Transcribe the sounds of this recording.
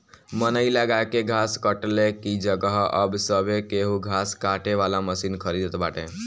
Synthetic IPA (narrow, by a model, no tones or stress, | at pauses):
mənəiləɡakeɡʱaskəʈlekid͡ʒəɡəɦəbsəbekeɦuɡʱaskaʈeʋalaməsinkʰəɾid̪ət̪baʈḛ̃